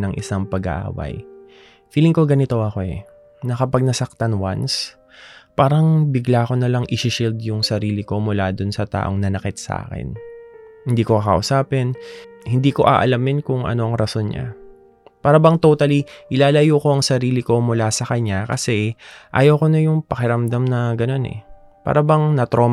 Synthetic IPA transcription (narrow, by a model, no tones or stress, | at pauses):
nɐŋʔɪ̰saŋpɐɡɐ̰ʔa̰ːwɐ̰j | fiːlɪŋko̞ɡɐnɪt̪o̞ʔɐko̞ɛ̰ | nɐkɐpɐɡ̚nɐsɐk̚t̪ɐnwa̰ns | paːɾɐŋbɪɡlaːko̞nɐlɐŋʔɪʃɪʃild̪jʊŋsɐɾiːlɪko̞mʊlad̪onsɐt̪a̰ːʔo̞ŋnɐnɐkɪt̪̚sɐʔa̰ːkɛ̰nhɪnd̪iːko̞kɐkɐʔʊsaːpɛnhɪnd̪iːko̞ʔa̰ːʔɐ̰lɐmɪnkʊŋʔɐ̰no̞ʔɐŋɾɐso̞nɲa̰ | paːɾɐbɐŋt̪ot̪ɐliʔɪlaːlɐjuko̞ʔɐŋsɐɾiːlɪko̞mʊlasɐkɐɲakɐsɛʔa̰ːjɐwkonɐjʊŋpɐkɪɾɐmd̪amnɐɡɐno̞nɛ̰ | pa̰ːɾɐbɐŋnɐt̪ɾoː